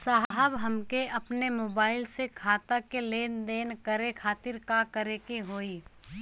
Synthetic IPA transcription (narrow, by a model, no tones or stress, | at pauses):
saːɦɦəbɦɐmkeʔɐpnemoːbaːɪlsekʰaːt̪akeleːnd̪eːnkəɾekʰaːt̪ɪɾkakəɾekeɦoːiː